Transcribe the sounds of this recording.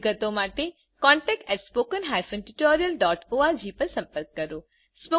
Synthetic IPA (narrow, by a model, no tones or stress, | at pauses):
ɡət̪õmaːʈe | kɔːɳʈɛːk̚ʈɛːʈspoːkənɦaːjfʰə̃nʈuʈɔːɾijəlɖɔːʈoːad͡ʑiːpɐɾsɐ̃mpəɾkːɐɾoː | spo